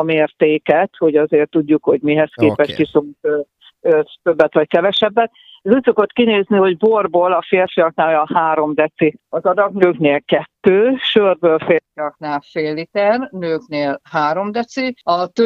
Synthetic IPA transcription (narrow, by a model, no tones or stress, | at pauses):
ɒmeːrt̪eːkɛt̪ho̞ɟɒzeːrt̪ːuɟːukho̞ɟmiɦɛskeːpɛʃkisot̪ː | øt̪øbːɛt̪ʋɒckɛvɛʃɛbːɛt̪̚ | uːcso̞ko̞t̪kineːzniho̞ɟborboːlɒfeːrfiɒknaːlɒhaːɾo̞md̪ɛt̪siɒzɒd̪ɒɡnøːkneːlkɛt̪ːøːʃøːrbøːlfeːrfiɒknaːlfeːlit̪ɛrnøːkneːlhaːɾo̞md̪ɛt̪siɒt̪ø